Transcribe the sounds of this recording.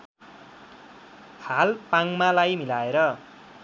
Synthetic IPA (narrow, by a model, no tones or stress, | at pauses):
halpaŋmalajmilaeɾʌ